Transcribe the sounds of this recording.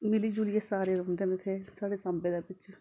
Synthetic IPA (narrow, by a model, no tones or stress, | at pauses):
mɪliːd͡ʒuːlɪjeːsaːɾeːɾõːnd̪eːnɪt̪ʰeːsaːɽeːsə̃mbeːd̪aːpɪt͡ʃ